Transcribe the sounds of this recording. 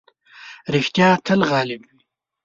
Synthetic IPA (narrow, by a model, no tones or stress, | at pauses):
ɾɪxt̪jɑːt̪ʰəlɣɑːlɪbwi